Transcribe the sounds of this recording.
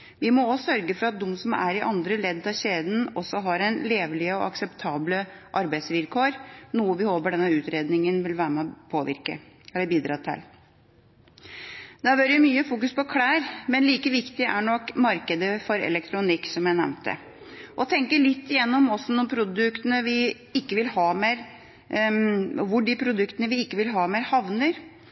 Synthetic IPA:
ʋɪmɔɔsœɾɡəfɔɾɑt̪̚d̪ɔmːsɔmæ̰ɾɪʔɑnd̪ɾəlɛd̪ːɑɕeːd̪n̩ɔsːɔɦɑɾɛnleːʋlɪɔ̰ɑksɛpt̪ʰɑːbləʔɑɾbæɪt̪sʋɪlkʰoːɾnuːəʋɪhoːbəɖɛnːəʉːt̪ɾeːd̪nɪŋənʋɪlʋæːɾəmɛpʰoːʋɪ̰ɾkə̰ɛlːəɾbiːd̪ɾɑːt̪ʰɪ̰l | d̪æʋøːɾəjʊmyːəfuːkʉspɔkʰɽæːɾmɛnliːkəʋɪkt̪ɪʔæɳɔkːmɑɾkəd̪əfɔɾɛ̰lɛkt̪ʰɾʊnɪkːsɔmjæɪnɛ̰ʋnt̪ə̰ | ʔɔt̪ʰɛŋkəɭɪt̪ːɪjɛnːɔmɔsːɔnɔmpʰɾʊd̪ʉkt̪ənəʋɪ | ɪkːəʋɪlhɑːmeːɾ | ɔʋʊɖɪpʰɾʊd̪ʉkt̪ənəʋɪɪkːəʋɪlɦɑːmeːɾhɑʋnəɾ

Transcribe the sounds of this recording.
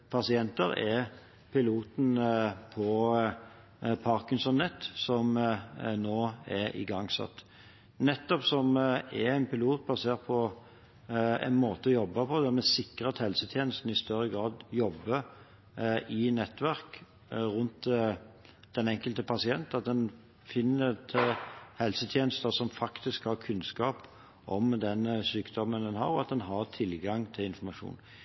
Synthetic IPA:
pʰɑsɪɛnt̪əɾɛ | pʰɪluːt̪n̩pʰɔ | pʰɑʁkɪnsɔnːɛt̪ːsɔmnoːɛɪ̰ɡɑŋsɑ̰t̪ː | nɛt̪ːɔpsɔmɛɛɪnpɪluːt̪̚bɑseːʁt̪̚pʰɔ | ɛ̰nmoːt̪əɔjɔbːɑpʰɔd̪æmɛsɪkʁəɑt̪hɛlsət̪ʰjeːnəst̪n̩ɪst̪œɾːəɡʁɑːd̪jɔbːə | ʔɪnɛt̪ːʋæʁk | ʁʉnt̪ | d̪̥ɛnɛŋkəlt̪əpʰɑsɪɛnt̪ɑt̪̚d̪ɛn | fɪnːət̪ʰhɛlsət̪ʰjeːnəst̪əsɔmfɑkt̪ɪskhɑɾkʰʉnskɑːp | ʔɔmd̪ɛnsyːkd̪ɔmːənd̪ɛnɦɑ̰ɾɔɑt̪̚d̪ɛnɦɑʁt̪ʰɪlɡɑŋt̪ʰɪlɪnfɔɾmɑʂṵːn

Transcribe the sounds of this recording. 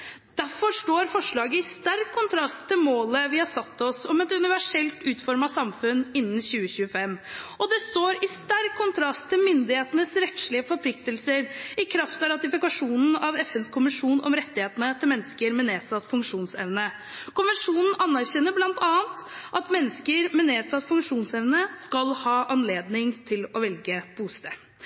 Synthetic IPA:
d̪̥æɾfɔʂʈoːɾfɔʂɭɑːɡəɪst̪æɾkʰːʊnt̪ʰɾɑst̪ʰːɪlmoːləʋɪhɑsɑt̪ːɔsɔmɛt̪ʉnɪʋæʂɛlt̪ʉːt̪fɔɾmɑsɑmfʉnɪnːn̩ɕʉːəɕʉːəfɛmːɔd̪ɛst̪oːɾɪst̪æɾkʰːʊnt̪ʰɾɑst̪ʰːɪlmʏnd̪ɪheːt̪ənəsɾɛt̪ʃɭɪəfɔɾpʰlɪkt̪əlsəɾɪkʰɾɑft̪ɑɾɑt̪ɪfɪkɑʂuːnn̩ɑʋɛfɛnskʰʊmɪʂuːnɔ̰mɾɛt̪ːɪheːt̪ənət̪ʰɪlmɛnːskəɾmɛneːsɑt̪ːfʉŋkʂuːnsɛ̰ʋnə | kʊnʋɛnʂuːnn̩ɑnːæɾçɛnːəblɑnt̪ʰɑːənt̪ʔɑt̪mɛnːəskəɾmɛneːsɑt̪fʉŋʂuːnsɛʋnəskɑlhɑːʔɑnleːd̪nɪŋt̪ʰɪlɔʋɛlɡəb̥uːst̪ɛ

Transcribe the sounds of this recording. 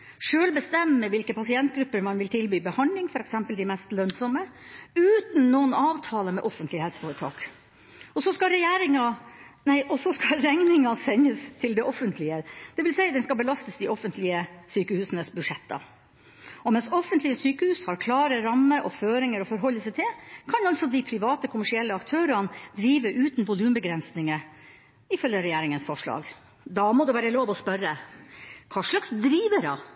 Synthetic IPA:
ʂøːlbəst̪ɛmːəʋɪlkəpʰɑsɪɛnt̪̚ɡɾʉpːəɾmɑnʋɪlt̪ʰɪlbyːbəhɑnd̪lɪŋfɔɾɛksɛmpəld̪ɪmɛst̪lœnsɔməʉːt̪n̩noːənɑːʋt̪ʰɑːləmɛʔɔfənt̪lɪhɛlsə̥fɔːɾət̪ʰɑ̰ːk | ɔsɔskɑɾɛjæːɾɪŋɑnæɪʔɔsɔskɑɾɛŋnɪŋɑsɛɲːəst̪ʰɪld̪ɛʔɔfənt̪ʰlɪəd̪̥ɛʋɪlsæɪd̪ɛnskɑbəlɑst̪əsd̪ɪɔfənt̪lɪəsyːkəhʉːsənəsbʉdʂɛt̪ːɑ̰ | ɔmɛnsɔfənt̪lɪəsyːkəhʉːshɑɾkʰlɑːɾəɾɑmːəʔɔføːɾɪŋəɾɔfɔɾɦɔlːəsɛɪt̪ʰɪlkʰɑnɑlt̪sɔd̪ɪpʰɾɪʋɑːt̪əkʰʊmæʂɪɛlːəɑkt̪ʰøːɾɑnd̪ɾiːʋəʔʉːt̪n̩ʋʊlʉːmbəɡɾɛnsnɪŋə | ɪfœljəɾɛjæːɾɪŋənsfɔʂɭɑ̰ːɡ | d̪ɑmɔd̪ʉʋæːɾəloːʋɔspœɾə | kʰɑːʂɭɑksd̪ɾiːʋəɖɑ̰

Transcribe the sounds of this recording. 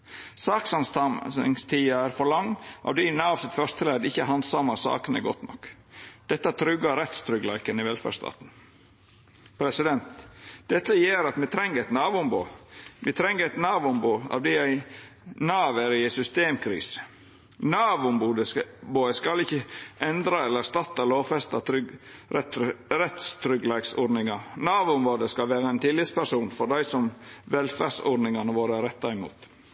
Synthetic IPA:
sɑːksɑnst̪ʰɑmsɪ̰ŋst̪ʰiːɑæːɾfɔɾɭɑŋʔɑ̰ʋd̪iːnɑːʋsɪt̪fœʂt̪əlæːd̪ɪçːəhɑnd̪sɑmːɑsɑ̰ːkənə̰ɡɔt̪nɔ̰k | d̪̥ɛt̪ːɑt̪ʰɾʏɡɑɾɛt̪st̪ʰɾʏɡlɑɪkənɪʋɛlfæ̰ʂt̪ɑ̰ːt̪n̩ | pʰɾɛsɪd̪ɛnt̪d̪̥ɛt̪ːəjeːɾɑt̪mɛt̪ʰɾɛŋːəɾæɪt̪nɑːʋʊmboːmɪt̪ʰɾɛŋːəɾæɪt̪nɑːʋʊmbuɑ̰ʋd̪iːæɪ | nɑːʋæɾɪɛsʏst̪eːmkʰɾḭːs | nɑːʋʊmbuːd̪əboːəskɑlɪçəʔɛnd̪ɾɑɛlːəɾst̪ɑt̪ːɑloːfɛst̪ɑɾ | ɾɛt̪st̪ʰɾʏɡlɛːɡsɔːɖnɪŋɑnɑːʋʊmɾoːd̪əskɑlʋeːɾəɛnt̪ʰɪlːɪt̪spæɾʂuːnfɔɖ̪æɪsɔmʋɛlfæsɔːɖnɪŋɑnəʋoːɾəɾɛt̪ːɑɪmṵːt̪

